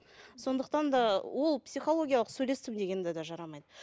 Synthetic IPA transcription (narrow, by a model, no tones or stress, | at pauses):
so̞nd̪əqt̪ɑnd̪ɑwʔo̞lˠpsijχo̞lˠo̞ɡʲijɑlˠəqsɵjle̞st̪ɪmd̪e̞ɡʲe̞nɪd̪ed̪ɑʒɑɾɑmɑjd̪ə